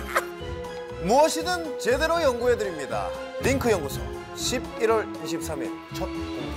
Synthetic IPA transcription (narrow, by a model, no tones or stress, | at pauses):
muʌɕʰinɯnt͡ɕe̞de̞ɾojʌŋɡuɦe̞dɯɾimɲida̰ | ɾiŋkʰɯjʌŋɡusʰʌ | ɕʰib̚iɾwʌɭ | iɕ̬ʰip̚sʰamḭɭ | t͡ɕʰʌt̚